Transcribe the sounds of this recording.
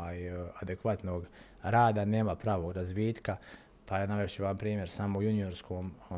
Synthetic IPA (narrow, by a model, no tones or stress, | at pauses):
aːjad̪ekʋat̪noɡ | ɾaːd̪ane̞ːmapɾaːʋoːɡɾazʋiːt̪ka | pajanaʋet͡ʃeʋampɾiːmje̞ɾsamoujunio̞ɾskʰoːmo